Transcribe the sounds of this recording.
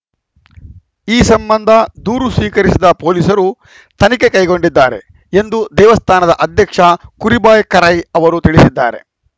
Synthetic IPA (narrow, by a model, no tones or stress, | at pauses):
iːsɐmbɐnd̪ʱɐd̪uːɾusʋiːkɐɾisid̪ɐpoːlisɐɾu | t̪ʰɐnikekɐjɡo̞ɳɖid̪ːaːɾe̞̰ | e̞nd̪ud̪ɛːʋɐst̪ʰaːnɐd̪ɐʔɐd̪ʱjɐkʂɐkuɾibaːjkɐɾɐjɐʋɐɾut̪iɭisid̪ːa̰ːɾe̞̰